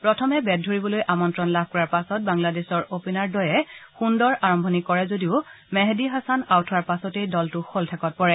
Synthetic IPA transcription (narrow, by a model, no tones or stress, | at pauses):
pɹɔtʰɔmɛbɛd̚ʱoɹibɔlojʔamɔntɹɔnlab̚ʱkɔɹaɹpasɔt̚baŋladesɔɹopinaɹdɔjɛxundɔɹaɹɔmbʱɔnikɔɹɛzodiʊ | mɛɦdiɦasanawtʰɔwaɹpasɔtejdɔltʊxoltʰakɔt̚pɔɹɛ